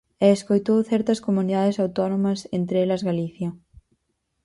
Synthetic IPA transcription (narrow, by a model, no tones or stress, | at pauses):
ɛːskojt̪owθɛɾt̪ɐskomuniðaðɪsawt̪ɔnomɐsent̪ɾɛlɐzɣaliθjɐ